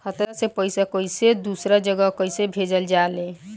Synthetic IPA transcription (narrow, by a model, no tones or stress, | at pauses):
kʰət̪ɾasepəjsakəjsed̪usɾad͡ʒəɡəkəjsebʱed͡ʒəld͡ʒale